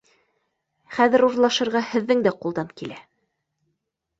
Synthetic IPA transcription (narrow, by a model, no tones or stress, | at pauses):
χæðɘ̆ɾuɾlˠɑʃɤ̆ɾʁɑhɘ̆ðːɘŋd̪æqulˠd̪ɑnkilæ